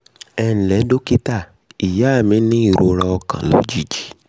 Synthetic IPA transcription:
ɛ˧n̩˨lɛ˨˦do˦ki˦ta˦˨ | i˨ja˨˦˨mĩ˨˦nĩ˦i˦˨ɾo˧˦ɾɔ˧ɔ˧kã̰˨lo̰˨˦d͡ʒi˨˦d͡ʒi˨˦

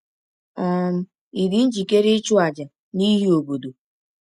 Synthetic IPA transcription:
a˦m̩˦ | i˨ɾi˦n̩˦d͡ʒi˨ke˦ɾɪ˦t͡ʃʊ˦a˨d͡ʒa˨ | ni˦ɦi˦o˨bo˨do˨

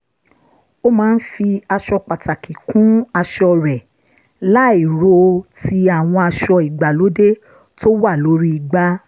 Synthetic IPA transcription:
o˦mãː˦n̩˦fi˧a˧ʃɔ˧k͡pa˨ta˨ki˨kũ˨˦a˧ʃɔ˧ɾɛ˨ | la˦i˨ɾo˧ti˧a˨w̃ɔ̃˧a˧ʃɔ˧i˨ɡ͡ba˨lo˨˦de˦ | to˦wa˦˨lo˨˦ɾi˦i˨ɡ͡ba˦

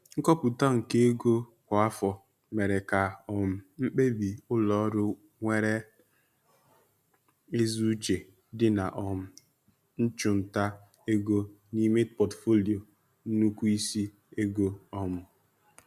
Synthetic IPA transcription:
ŋ̩˦kɔ˦pʊ˨ta˦ŋ̩˨ke˦e˦ɡo˦kʷa˨a˦fɔ˨ | me˨ɾe˨ka˨ɔ˨m̩˨m̩˦k͡pe˦bi˨ʊ˦lɔ˨˦ɾʊ˦ | ŋʷe˦ɾe˦ | e˦zu˦t͡ʃe˨ | dɪ˦na˨ʔɔ˨m̩˨ | n̩˦t͡ʃʊ˨n̩˨ta˦ | e˦ɡo˦ | ni˦me˦pɔ˨tfo˦li˨o˨ | n̩˦nu˦kʷu˦i˦si˦ | e˦ɡo˦ɔ˦mʊ˨

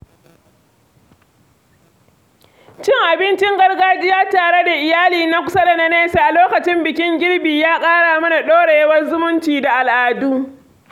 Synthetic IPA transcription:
t͡ʃɪ˦ŋʔa˨bɪ˦nt͡ʃɪ˦ŋɡɐ˦rɡaː˦d͡ʒɪ˦jaː˦taː˨ɽe˦da˨ʔɪ˨jaː˦liː˨na˦kʷʊ˦sɐ˦da˨nɐ˦neː˦sa˨ʔa˨loː˦kɐ˨t͡ʃɪ˦mbɪ˨kʲɪ˦ŋɡʲɪ˦ɽbiː˨jaː˦kʼaː˦ɽaː˨mɐ˦na˨ɗoː˦ɽe˨jɐ˦wɐ˦rzʊ˦mʊ˦nt͡ʃiː˨da˨ʔa˨lʔaː˨duː˦

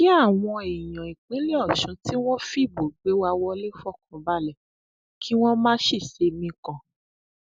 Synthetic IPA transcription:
ki˦a˦˨w̃ɔ̃˧e˨jɔ̃˨i˨k͡pĩ˨˦li˦ɔ˦˨ʃũ˨˦ti˦w̃ɔ̃˦fi˦˨bo˨ɡ͡be˨˦wa˧wɔ˧le˦fɔ˦˨kɔ̃˧ba˦˨lɛ˦˨ | kʰi˦w̃ɔ̃˦mãː˦ʃi˦˨ʃe˧mĩ˧kã˨

